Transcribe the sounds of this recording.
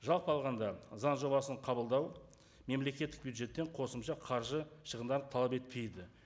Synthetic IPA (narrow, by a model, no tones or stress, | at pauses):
ʒɑlˠpəɑlˠʁɑnd̪ɑzɑnʒo̞bɑsəɴqʰɑbəlˠd̪ɑw | me̞mle̞kʲe̞t̪ːɪk̚bʲjuwd̪ʒe̞t̪ːe̞ɴqʰo̞səmʃɑqʰɑɾʒəʃəʁənd̪ɑɾt̪ʰɑlˠɑpe̞t̪̚pʰe̞jd̪ɪ